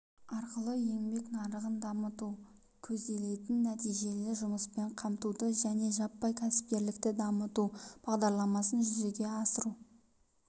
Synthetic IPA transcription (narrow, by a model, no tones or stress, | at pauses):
ɑɾqəlˠəje̞ŋbe̞knɑɾəʁənd̪ɑmət̪u | kʲʰɵzd̪e̞le̞t̪ɪnːæt̪ijʒe̞lɪʒʊməspe̞ɴqʰɑmt̪ud̪əʒæne̞ʒɑpːɑjkʲʰæsɪ̥p̚k̪ʲe̞ɾlɪk̚t̪ɪd̪ɑmət̪ub̥ɑʁd̪ɑɾlˠɑmɑsənʒʏze̞ɡʲe̞ɑsəɾu